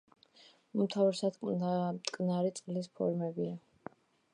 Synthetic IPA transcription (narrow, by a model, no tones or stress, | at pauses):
umt̪ʰavɛɾsad̪mt̪ʼkʼnaɾit̪sʼqʼlispʰɔ̰ɾmɛbia